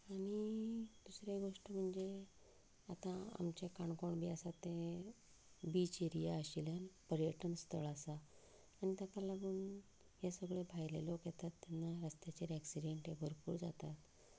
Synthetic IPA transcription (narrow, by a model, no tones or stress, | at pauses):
aɽ̃id̪̥usɾjaɡoʂʈəm̤əɳd͡ze | at̪ãa̰mt͡ɕekaɳkoɳbiəsat̪ːẽ | bit͡ɕeɾijaəɕiljanpəɾjəʈənst̪ʰəɭasaː | ɽ̃it̪akalaɡuːn | jasəɡɭebʱajlelokjɛt̪at̪ːanːaɾəst̪jat͡ɕeɾæksiɖeɳʈɦeɡʱəɾpṵːɾd͡zat̪at̪